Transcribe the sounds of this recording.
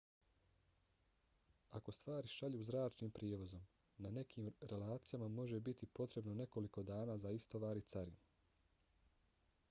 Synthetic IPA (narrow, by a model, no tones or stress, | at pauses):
ako̞st̪ʋaːɾiʃaʎuːzɾaːt͡ʃniːmpɾieːʋo̞zo̞m | nane̞kʰiːmɾe̞laːt̪sijamamo̞ʒe̞bit̪ipo̞t̪ɾe̞bnone̞ko̞liko̞d̪aːnaːzaist̪o̞ʋaːɾit̪saɾḭn